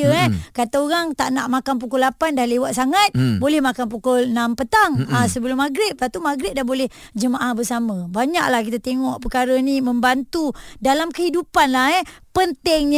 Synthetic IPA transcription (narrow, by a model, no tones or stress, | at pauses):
əɛkat̪aoɾaŋt̪aʔnaʔmakanp̬ukulapandahlewat̪̚saŋat̪̚bolɛhmakanpukʊlnampət̪aŋasəbəlʊmːaɡɾɪt̪̚pat̪umaɡɾɪt̪̚dahbolɛh | d͡ʒəmaʔahbərsaməbaɲaʔlahkit̪at̪eŋɔʔpəkaɾəniməmbant̪udalamkəhidupanlaɦɛpənt̪ɛŋɲ